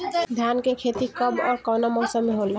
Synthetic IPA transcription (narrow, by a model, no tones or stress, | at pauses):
d̪ʱjankekʰet̪ikʌbɔːɾkɔwnamɔːsəmːeɦolːa